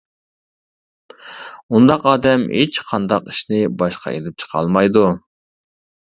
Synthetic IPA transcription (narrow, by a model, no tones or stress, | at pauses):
und̪ɑqɑːd̪ɛmet͡ʃqʰɑnd̪ɑqiʃnɪbɑʃqʰɑ̰ḛlɪp̚t͡ʃʰə̥qʰɑ̰lˠmɑjd̪u